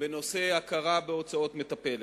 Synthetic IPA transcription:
veno̞se̞akaʁabeo̞t͡sao̞t̪me̞t̪ape̞le

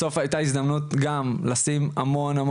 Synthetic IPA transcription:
so̞fajt̪aizd̪amnut̪ɡamlasimamo̞nam

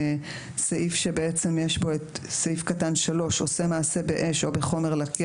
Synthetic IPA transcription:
saʔifʃe̞be̞et͡se̞mjeʃbo̞etsaifkatanʃalo̞ʃo̞̰semaːse̞be̞ʔe̞ʃo̞be̞χo̞me̞ʁlaki

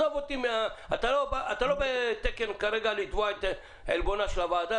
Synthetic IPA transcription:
ovot̪imeaat̪alobaat̪alo̞bet̪ekenkaɾeɡalit̪voaet̪ | elbonaʃelavaːd̪a

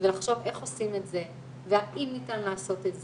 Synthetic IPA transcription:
velaχʃo̞ve̞χo̞simetze̞ | veaʔimitanlaːso̞tetz

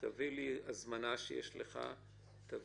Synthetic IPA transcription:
taviliazmanaʃejḛʃleχa̰ | t̪av

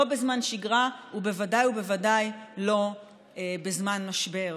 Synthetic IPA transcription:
obezmanʃiɡʁaube̞vadajubevadajlo̞ | ebezmanmaʃbe̞ʁ

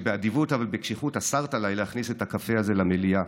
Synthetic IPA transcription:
beadivutavalbekʃiχutasaʁtalajlehaχnisetakafeaze̞lamelia

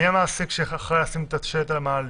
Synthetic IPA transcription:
jamaːsikʃeaχʁejasimt̪at̪ʃeet̪almaːl

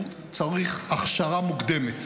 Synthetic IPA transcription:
t͡saʁiχaχʃaʁamuɡd̪emet̪

